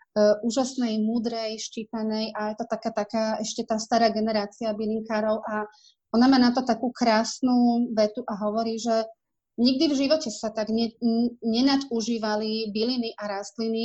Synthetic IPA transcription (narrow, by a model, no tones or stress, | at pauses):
ʔuːʒasnɛjmuːd̪ɾɛjʃt͡ʃiːt̪anɛjʔajɛt̪ɔt̪akaːt̪akaːɛʃcɛt̪aːst̪aɾaːɡɛnɛɾaːt͡siabiliŋkaːɾɔʊʔa | ɔnamaːnat̪ɔt̪akuːkɾaːsnuːʋɛt̪uʔaɦɔʋɔɾiːʒɛ | ɲiɡ̚d̪ivʒiʋɔcɛsat̪aɡɲɛɲɛnat̪uʒiːʋalibiliniʔaɾast̪lini